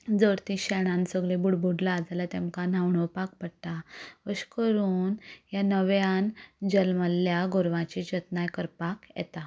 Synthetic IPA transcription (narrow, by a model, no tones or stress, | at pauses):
d͡zəɾt̪iɕɛɽ̃ãnsəɡɭebuɽbʱuɽlaːd͡zalat̪emkan̤awɳəpak̚pəɽt̪aəɕkəɾuːnjanəʋjand͡ʑəlməljaɡoɾʋãt͡ɕid͡ʑət̪najkəɾpakjɛ̰t̪a